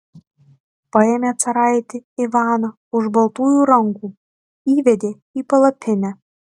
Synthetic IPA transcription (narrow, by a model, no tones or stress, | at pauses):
pɤ̆emʲæt͡sɑɾɑjet̪ʲeivɑnɤ | uʒbɤ̆lt̪ujuɾɑŋɡu | ivĕd̪e | ipɤ̆lɤ̆pʲʰːenæ